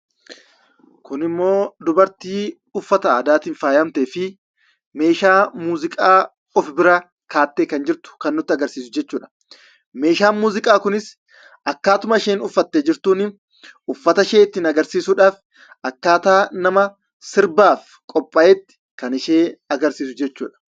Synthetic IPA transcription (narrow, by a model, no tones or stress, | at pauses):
kʊnɪmːo̞ːd̪ʊbɐɾt̪iː | ʊfːɐt̪ɐd̪aːt̪ɪnfaːjɐmt̪eːfɪ | me̞ːʃaːmuːzɪkʼaː | ɔfbɪɾɐ | kaːt̪ːeːkɐnd͡ʒɪɾt̪ʊ̥kɐnːʊt̪ːɪɐɡɐɾsiːsʊd͡ʒɛt͡ʃːuːᶑɐ̥ | me̞ːʃaːnmuːzɪkʼaːkʊnɪs | ʔɐkːaːt̪ʊmɐʃeːnʊfːɐt̪ːeːd͡ʒɪɾt̪uːnɪ | ʊfːɐt̪ɐʃe̞ːɪt̪ːɪnɐɡɐɾsiːsuːᶑaːf | ʔɐkːaːt̪aːnɐmɐ | sɪɾbaːf | kʼɔpʼːɐʔɛt̪ːɪ̥ | kɐnɪʃeːɐɡɐɾsiːsʊd͡ʒɛt͡ʃːuːᶑɐ̥